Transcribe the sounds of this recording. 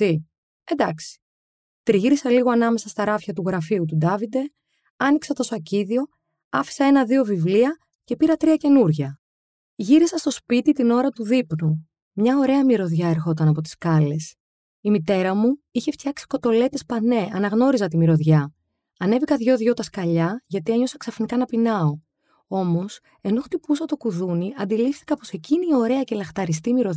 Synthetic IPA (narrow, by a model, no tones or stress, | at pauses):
i | end̪ɐksi̥ | t̪ɾiʝiɾisɐliɣo̞ɐnɐme̞sɐst̪ɐɾɐfçɐt̪uɣɾɐfiut̪ud̪ɐvid̪e̞ | ɐniksɐt̪o̞sɐciðio̞ | ɐfi̥sɐe̞nɐðio̞vivliɐ | ce̞piɾɐt̪ɾiɐce̞nuɾʝɐ | ʝiɾisɐst̪o̞spit̪it̪ino̞ɾɐt̪uðipnu | mɲɐo̞ɾe̞ɐmiɾo̞ðʝɐe̞ɾxo̞t̪ɐnɐpo̞t̪i̥skɐle̞s | imit̪e̞ɾɐmuiçe̞ft̪çɐksi̥ko̞t̪o̞le̞t̪e̞spɐne̞ʔɐnɐɣno̞ɾizɐt̪imiɾo̞ðʝɐ | ɐne̞vikɐðʝo̞ðʝo̞t̪ɐskɐʎɐʝɐt̪ieɲo̞sɐksɐfnikɐnɐpinɐo̞ | o̞mo̞s | e̞no̞xt̪ipusɐt̪o̞kuðuniɐnd̪ilifθikɐpo̞se̞ciniio̞ɾe̞ɐce̞lɐxt̪ɐɾist̪imiɾo̞ð